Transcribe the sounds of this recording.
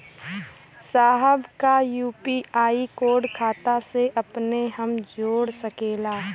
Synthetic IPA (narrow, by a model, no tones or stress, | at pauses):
saːɦəbkajuːpiaːikoːɖkʰaːt̪aseʔɐpneɦɐmd͡ʒoːɽsɐkeːlaː